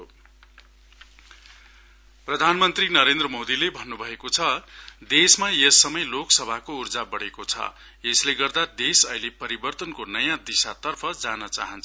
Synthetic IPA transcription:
jo | prʌd̪ʱanmʌnt̪rinʌɾend̪rʌmod̪ilebʱʌnːubʱʌekot͡sʰʌd̪esmajesːʌmʌjloksʌbʱakourd͡zabʌɽekot͡sʰʌ̰ | esleɡʌrd̪ad̪esʌilepʌɾibʌrt̪ʌnkonʌjãd̪isat̪ʌrpʰʌd͡zanʌt͡sa̰ɦʌnt͡sʰʌ

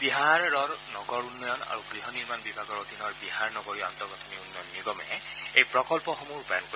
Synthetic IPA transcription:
biɦaɹːɔɹnɔɡɔɹunːɔjɔna̰ɹuɡɹiɦɔniɹmanbibʱaɡɔɹod̪ʱinɔɹbiɦaɹnɔɡɔɹia̰nt̪ɔɡɔt̪ʰɔniunːɔjɔnːiɡɔmɛ̰ejpɹɔkɔlpɔxɔmuɹupajnk

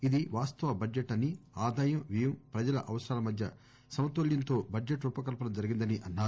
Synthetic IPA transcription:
id̪iʋaːst̪ɐʋɐbɐd͡ʒeʈːɐnːiaːd̪aːjɐmʋijɐmpɾɐd͡ʒɐlɐ̰ʔɐʋɐsɐɾaːlɐmɐd̪ʱjɐ | sɐmɐt̪oljɐnt̪o̞ːbɐd͡ʒeʈupɐkɐlpɐnɐmd͡ʒɐɾiɡind̪ɐniʔɐnːaːɾu

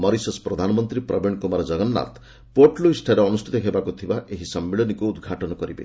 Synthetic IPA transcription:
mɔɾisɔspɾɔd̪ʱanɔmɔnt̪ɾipɾɔbeɳkomaɾɔd͡ʒɔɡɔnːa̰t̪ | poɾʈluisʈʰaɾeɔnusʈʰit̪ɔɦebakut̪ʰibaʔeɦisɔmːiɭɔnikuːd̪ɡʱaʈɔnɔkɔɾibḛ

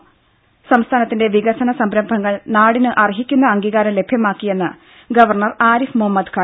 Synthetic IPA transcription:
sɐmst̪ʰaːnɐt̪ːinde̞ʋiɣɐsɐnɐsɐmbɾɐmbʱɐŋːɐɭnaːɽinɨʔɐriɦikʲːunːɐɐŋɡiːɣaːɾɐmle̞bʱjɐmaːkːije̞nːɨ | ɡɐʋɐrɳɐraːɾifmuhɐmːɐd̪kʰaː

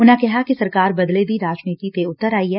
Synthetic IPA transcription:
ʊnãkɛɦakisɐɾkaːɾbɐd̪led̪iɾaːd͡ʒniːt̪it̪eʊt̪ːəɾaːiɦɛː

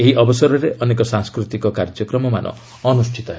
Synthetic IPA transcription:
eɦiʔɔbɔsɔɾɔɾeʔɔnekɔsãŋskɾut̪ikɔkaɾd͡ʒɔkɾɔmɔma̰nʔɔ̰ː | nusʈʰit̪ɔɦe

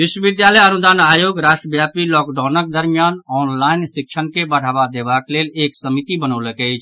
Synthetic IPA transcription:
ʋiʃwəbid̪jaləjənud̪anajoɡɾaʃʈɾəbjapilɔkɖanək̚d̪əɾmijanɔnlainsik̚t͡ʃʰənkebəɽ̤abad̪ebakleleksəmit̪ibənəwləkəɪt͡ʃʰ

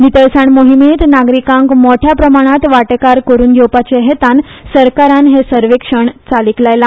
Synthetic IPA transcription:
nit̪əɭsaɳmoɦimet̪naɡɾikãŋkmɔʈʰjapɾəmaɽ̃at̪ʋaʈekaɾkəɾuːnɡʱewpat͡ɕeɦet̪ansəɾkaɾanɦesəɾʋekʂəɳt͡saliklajla

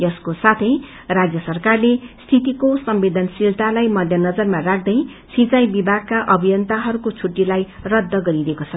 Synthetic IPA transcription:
jʌskosat̪ʰʌj | rad͡zjʌsʌrkarlest̪ʰit̪ikosʌmbed̪ʱʌnsilt̪alajmʌd̪ʱjʌnʌd͡zʌrmarak̚ʰd̪ʌj | sit͡sajbibʱaɡ̚kaʔʌbʱijʌnt̪aɦʌɾukot͡sʰuʈːilaj | rʌd̪ʱːʌɡʌɾiɾekot͡sʰʌ

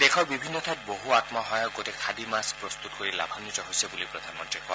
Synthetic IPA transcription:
d̪ekʰɔɹbibʱinːɔt̪ʰat̚boɦuat̪maɦɔjɔkotekʰadimaspɹɔst̪ut̪koɹila̰bʱanːitɔɦojsebulipɹɔd̪ʱanmɔtekɔ

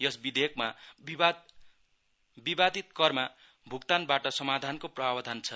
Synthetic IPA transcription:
jʌsbid̪ʱek̚mabia | bibad̪ʱit̪̚kʌrma | bʱukt̪anbaʈʌsʌmad̪ʱankoprʌbʱabʌd̪ʱant͡sʰʌ

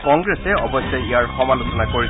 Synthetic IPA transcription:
kɔŋɡɹɛsɛɔbɔsɔjijaɹxɔmalusɔnakoɹi

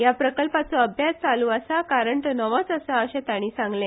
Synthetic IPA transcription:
japɾəkəlpat͡sɔəbʱjat͡st͡saluːəsakaɾəɳʈnəʋəsəsaəɕẽt̪aɽ̃iːsãŋɡlẽ

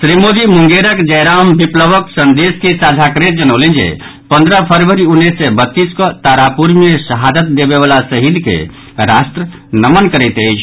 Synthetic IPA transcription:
sɾimod̪imuŋɡeɾəkd͡ʒəjɾambipləbəksənd̪eskesad͡ʒʱakɾet̪̚d͡ʒənəwlend͡ʒḛ | pə̃nd̪ɾəpʰəɾʋəɾiunːisːɛbət̪ːiskɔt̪aɾapuɾmjesəɦad̪ət̪̚d̪ebeβalasəɦid̪kḛ | ɾast̪ɾə | nəmənkəɾəjt̪əjt͡ʃʰ

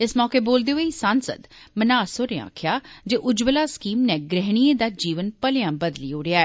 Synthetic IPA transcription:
ɪsmɔːkeːboːld̪eːəiːsansə̰d̪mənaːsoːɾea̰ːkʰjaːd͡ʒeːʔʊd͡ʒbəlaːskiːmnɛ̃ːɡɾɛɦɽ̃iẽːd̪aːd͡ʒiːʋənpəljãːbəd̪liːoːɽɪjaːɛ

